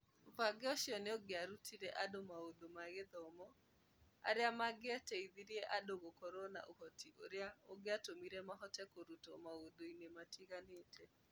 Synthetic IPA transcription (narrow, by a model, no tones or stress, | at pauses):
opaɡeɔʃiɔneoɡeaɾutʰiɾɛʔadomaodomaɣeðɔmɔ | a̰ɾeamaɡeatɛiðiɾiɛʔadoɣokɔɾona̰ʔohɔtʰiʔo̰ɾeaoɡeatomiɾɛmaɦɔtɛkoɾutɔ̰maodoinematʰiɣaneːtʰɛ